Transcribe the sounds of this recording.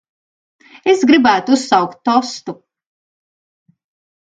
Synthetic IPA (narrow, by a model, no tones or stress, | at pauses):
esɡɾibæːt̪uusːɑwkt̪ːɔst̪u